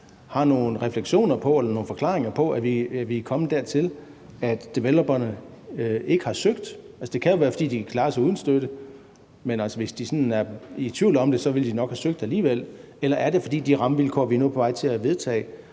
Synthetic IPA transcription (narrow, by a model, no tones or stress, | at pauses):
hɑ̈no̝ːn̩ʁɛfleɡ̥ɕo̝̰ːnɐpʰɒ̽elɐno̝ːn̩fɒ̽kʰlɑ̈ːʁeŋɐpʰɒ̽ʔæʋiæʋikʰɒ̽məd̥æɐt͡sʰe̝l | æd̥d̥e̝ʋelob̥ɐnə | e̝ɡ̥əhɑ̈søɡ̥d̥ælsə̥d̥e̝kʰæjo̝ʋæːɐfɒ̽d̥ḭːd̥ikʰlɑ̈ːɐsɑuð̞ˠn̩sd̥ød̥ə | menælsəʋe̝sd̥isɒ̽næɐit͡sʰʋiʊlɒ̽md̥e̝sɒ̽ʋe̝ld̥inɒ̽ɡ̥hæsøɡ̥̚d̥æliːʋel̰ | elɐʔæɐɾe̝fɒ̽d̥ḭːd̥iʁɑ̈məʋilkʰɒ̰ːʋinopʰɒ̽ʋɑ̈ɪ̰t͡sʰe̝æʋe̝ð̞ˠt͡sʰɛ̰ː